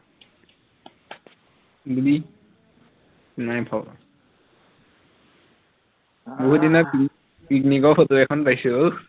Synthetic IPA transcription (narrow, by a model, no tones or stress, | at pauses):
budi | najpʰɔ | boɦudinɔpi | pik̚nikɔɹfɔtuɛkʰɔnpajsuo